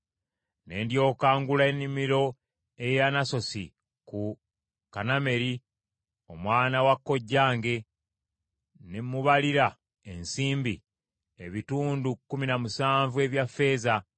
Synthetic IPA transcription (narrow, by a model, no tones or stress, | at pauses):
ne̞ːndjo̞ːkaːŋɡulaenːimiɾo̞ | e̞janaso̞sḭ | ku | kaname̞ɾi | o̞mwaːnawakːo̞ɟːaːŋɡe̞ | nemːuβaliɾa | e̞nsiːmbḭ | eβituːndukːuminamusaːɱvue̞βjafːe̞ːza